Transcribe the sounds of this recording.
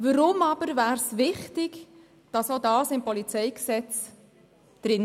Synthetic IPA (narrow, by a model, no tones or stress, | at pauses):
vəɾʊmɑb̥əɾvæːɾsvɪχtɪɡ | d̥ɑsodɑːsɪmpɔlit͡sɛjksɛt͡s | d̪̥ɾɪn